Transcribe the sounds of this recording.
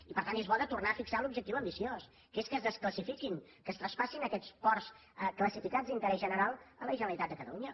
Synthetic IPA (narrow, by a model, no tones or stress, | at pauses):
ipəɾt̪anezβɔðət̪urnafiksalubʒək̚t̪iwəmbisios | keskəzðəskləsifikinkəst̪ɾəspasinəkɛskɔrs | əkləsifikazd̪int̪əɾɛzʒənəɾalˠələʒənəlit̪at̪̚d̪əkət̪ə̰luɲə